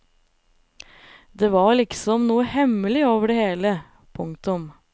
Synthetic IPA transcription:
d̪eːʋɑɾɭɪksɔmnuːəhɛməlɪoːʋəɖɛheːlə | pʰʊŋt̪ʊm

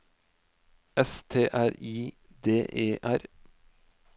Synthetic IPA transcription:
ɛst̪ʰeːʔæɾiː | d̪eːʔeːʔæɾ

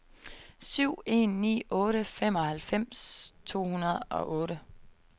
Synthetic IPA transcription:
syʊ̰e̝̰ːnːḭːɔ̽ːɾəfem̰ɒ̽hælfem̰st͡sʰo̝̰ːhunɐð̞ˠɒ̽ʔɔ̽ːɾə

